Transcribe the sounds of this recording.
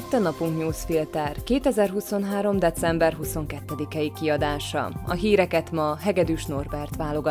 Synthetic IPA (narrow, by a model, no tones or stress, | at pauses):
it̪ːɒnɒpuŋkɲuːsfilt̪ɛrkeːt̪ɛzɛrɦuso̞nɦaːɾo̞md̪ɛt̪sɛmbɛrɦuso̞ŋkɛt̪ːɛd̪ikɛikiɒd̪aːʃɒ̰ɒ̰ɦiːɾɛkɛt̪mɒɦɛɡɛd̪yʃno̞rbɛrt̪ʋaːlo̞ɡɒ